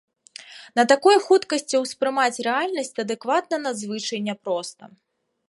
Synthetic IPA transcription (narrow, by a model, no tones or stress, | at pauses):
nɐt̪akɔjxut̪kɐsʲt͡sʲiwspɾɨmat͡sʲrɛalʲnɐsʲt͡sʲɐd̪ɛkvat̪̚nɐnɐzvɨt͡ʂɐjnʲɛpɾɔst̪ɐ